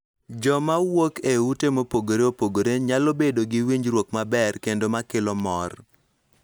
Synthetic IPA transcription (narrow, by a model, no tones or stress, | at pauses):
d͡ʒɔmawokeutemopoɡoɾeopoɡoɾeɲalobedoɡɪwiɲd͡ʒɾwokmabɛrkendomakɪlɔmɔr